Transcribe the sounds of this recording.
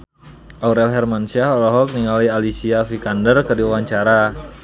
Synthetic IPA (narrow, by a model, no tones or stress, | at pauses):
ʔauɾɛlɦɛrmansiaɔlɔɦɔk̚niŋalialisiafikandərkərdiuwaɲt͡ʃaɾa